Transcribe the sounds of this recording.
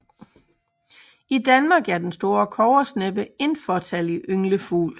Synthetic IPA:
id̥ænmɑ̈ːɡ̥æɐd̥ensd̥o̝ːɐkʰɒʊɐsneb̥əe̝nfɒt͡sʰæliʔøŋləfṵːl

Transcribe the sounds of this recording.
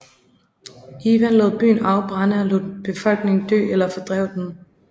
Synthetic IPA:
iːʋænloð̩ˠb̥y̰ːnɑ̈ʊb̥ʁɑnəɒlob̥e̝fɒ̽l̰ɡ̥ne̝ŋŋ̩d̥ø̰ːelɐfɒ̽d̥ʁɛʊ̰d̥en

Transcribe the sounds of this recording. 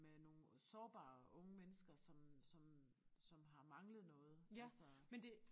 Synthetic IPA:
meno̝ː | sɒːb̥ɑ̰̈ːʔɔ̽ŋəmenəsɡ̥ɐsɒ̽msɒ̽m | sɒ̽mɦɑ̈mɑ̈ŋləð̩ˠnɔ̽ːð̞̩ˠæsɒmend̥e̝

